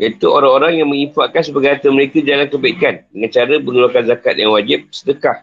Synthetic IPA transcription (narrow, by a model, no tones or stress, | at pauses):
jat̪uʔoɾaŋoɾaŋjaŋmə̃ŋifaʔkans̬əbaɡaɦat̪əməɾekad͡ʒalankəbaikandəŋãnt͡ʃaɾəbəŋulakanzakat̪̚jaŋwad͡ʒɪp̚sədəkah